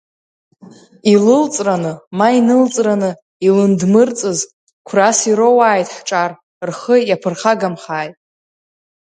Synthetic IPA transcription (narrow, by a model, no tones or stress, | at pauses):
ilɨlt͡sʼranɨmainɨlt͡sʼranɨ | ilɨndmɨrt͡sʼɨz | kʷʰrasiɾowaːjtʼħʈ͡ʂʼar | rχəjapʰɨrχaɡamχaːjtʼ